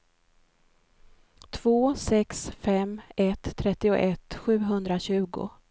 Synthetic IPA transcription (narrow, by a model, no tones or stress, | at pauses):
t̪ʰv̥oːsɛksfɛmɛt̪ʰːɾɛt̪ːɪʊ̰ʔɛt̪ːɧʉ̟ːɦɵnd̪ɾaɕʉ̟ːɡʊ̰